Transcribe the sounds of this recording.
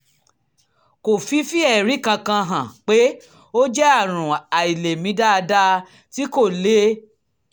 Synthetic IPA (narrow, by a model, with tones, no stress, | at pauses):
ko˨fi˨˦fi˦ɛ˦˨ɾi˨˦˨kã˧kã˧ɦã˨k͡pe˦ | o˦d͡ʒɛ˦a˦˨ɾ̃ũ˨a˨i˨le˨mĩ˨˦da˦a˧da˦ | ti˨˦ko˦˨le˦